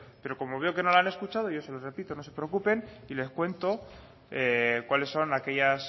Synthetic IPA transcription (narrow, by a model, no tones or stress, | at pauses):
pe̞ɾo̞ko̞moβ̞e̞oke̞no̞laane̞skut͡ʃað̞o̞ʝo̞se̞lore̞pit̪o̞no̞sepɾeo̞kupe̞nile̞skwe̞nt̪o̞ | ekwale̞sːo̞nake̞ʝas